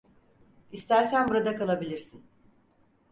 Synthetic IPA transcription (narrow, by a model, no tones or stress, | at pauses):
ist̪æɾsænbuɾad̪akalˠabilʲiɾsin